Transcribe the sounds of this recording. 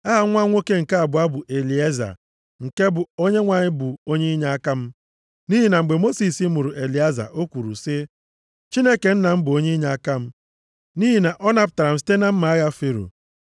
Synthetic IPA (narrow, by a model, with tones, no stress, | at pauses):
a˦ɦa˨˦ŋʷa˦ŋʷo˦ke˦ŋ̩˨ka˦a˨bʊ˨˦a˦bʊ˨ʔe˨li˨e˦za̰˨ | ŋ̩˨ke˦bʊ˨o˦ɲe˦ŋʷa˨ɲɪ˦bʊ˨o˦ɲe˦i˦ɲa˨˦a˦ka˦m̩˦ | ni˦ɦi˨na˨ŋ͡m̩˨ɡ͡be˨mo˦si˨si˦mʊ˨ɾʊ˨ʔe˨li˨a˦za̰˨ʔo˦kʷu˨ɾṵ˨sɪ˦ | t͡ʃi˦ne˦ke˨n̩˦na˨m̩˦bʊ˨o˦ɲe˦ɲa˨a˦ka˦m̩˦ | ni˦ɦi˨na˨ʔɔ˦na˨pʊ˨ta˨ɾa˨m̩˨s̬i̥˦te˦na˦m̩˦ma˨a˦ɣa˦fe˦ɾṵ˨